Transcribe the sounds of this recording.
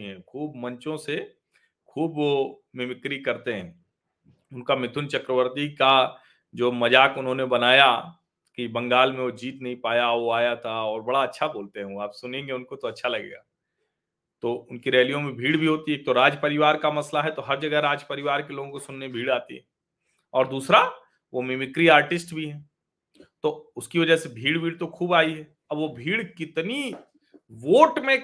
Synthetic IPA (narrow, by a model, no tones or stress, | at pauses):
ɦɛ̃ːkʰuːbmɐ̃ɲt͡ʃõse | kʰuːbomɪmɪkɾikɐɾt̪eɦɛ̃ː | ʊnkamɪt̪ʰʊnt͡ʃɐkɾəʋəɾt̪ika | d͡ʒoːmɐd͡ʒaːkʊnɦõnebɐnaːja | kibɐ̃ŋɡaːlmẽod͡ʒiːt̪nɐɦĩpaːjaʋoaːjat̪ʰaɔːɾbɐɽaɐtːʃʰaboːlt̪eɦɛɦũaːpsʊnẽːŋɡeʊnkot̪oɐtːʃʰalɐɡḛːɡaː | t̪oːʊnkiɾɛːlijõmẽbʱiːɽbʱiɦoːt̪ieːk̚t̪oɾaːd͡ʒpɐɾɪʋaːɾkamɐslaɦɛt̪oɦɐɾd͡ʒɐɡɛɾaːd͡ʒpɐɾɪʋaːɾkeloːɡõkosʊnːebʱiːɽaːt̪iɦɛ | ɔːɾd̪uːsɾa | ʋomɪmɪkɾiaːɾʈɪsʈbʱiɦɛː | t̪oːʊskiʋɐd͡ʒəsebʱiːɽbʱiːɽt̪okʰuːbaːiɦɛː | ɐbʋobʱiːɽkɪt̪ni | ʋoːʈmẽ